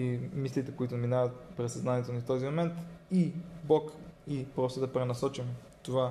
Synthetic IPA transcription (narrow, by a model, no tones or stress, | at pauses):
imislit̪ɛkoit̪ʊminavət̪pɾɛsɐznaniɛt̪onift̪ɔzimomɛnt̪ibɔkipɾɔst̪əd̪ɐpɾɛnɐsɔt͡ʃim | t̪ova